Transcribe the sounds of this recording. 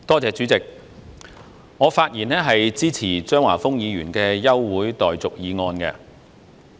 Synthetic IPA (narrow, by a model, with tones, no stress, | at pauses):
t̪ɔː˥t͡sɛː˨˧t͡syː˨˥t͡sɪ˨k̚ | ŋɔː˨˧faː˧t̚jiː˨˩nɛː˥ɦɐ˨jt͡siː˥t͡sʰiː˨˩t͡ʃœː˥ŋwaː˨˩fʊ˥ŋjiː˨˧jyː˨˩nkɛː˧jɐ˥wːuː˨˥jt̪ɔː˨jt͡sʊ˨k̚jiː˨˧ŋɔː˧nkɛː˧